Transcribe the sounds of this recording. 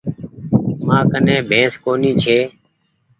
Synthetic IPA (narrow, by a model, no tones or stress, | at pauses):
mãːkənẽːbʱẽːskoːniːt͡ʃʰeː